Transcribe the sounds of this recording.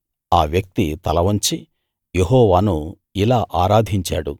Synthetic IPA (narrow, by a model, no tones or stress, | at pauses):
aːʋjɐk̚t̪it̪ɐlɐʋɐɲt͡ʃi | jeɦɔːʋaːnu | ilaːʔaːɾaːd̪ʱiɲt͡ʃa̰ːɽu